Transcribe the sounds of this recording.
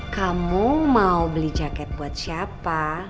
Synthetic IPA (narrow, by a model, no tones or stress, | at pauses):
kamumaubəlid͡ʒakɛt̪̚buat̪̚siappa